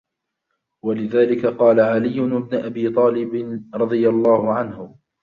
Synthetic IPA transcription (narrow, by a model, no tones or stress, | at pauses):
walɪðaːlɪkaqɑːlaʕalɪjːʊnɪbnʊʔabiːt̪ˤɑːlɪbɪnɾˤɑd̪ˤɨjalˤːɑːhʊʕanhʊ